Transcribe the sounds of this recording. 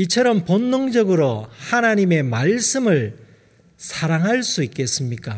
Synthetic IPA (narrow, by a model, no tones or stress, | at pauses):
it͡ɕʰʌɾʌmponːoŋd͡ʑʌɡɯɾohanaɲime̞maɭs͈ɯmɯɭ | sʰaɾaŋɦaɭs͈uik͈e̞s͈ɯmɲik͈a